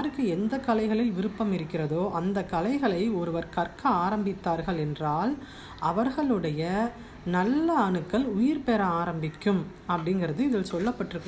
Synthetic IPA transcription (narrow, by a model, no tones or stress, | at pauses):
ɾɯkːɯɛnd̪ɐkːɐlɐɪɣɐɭɪlʋɪɾɯpːɐmɪɾɯkːɪrɐðoːʔɐnd̪ɐkːɐlɐɪɣɐɭɐɪɔɾɯʋɐɾkɐrkɐaːɾɐmbɪt̪ːaːɾɣɐɭɛndraːl | ʔɐʋɐɾɣɐɭɯɽɐjɐ | nɐlːɐːɳɯkːɐlʊjɪɾpeɾɐaːɾɐmbɪkːɯm | ɐpːɐɽɪŋɡɪɾɐðɯɪðɪlsɔlːɐpːɐʈːɪɾɯkː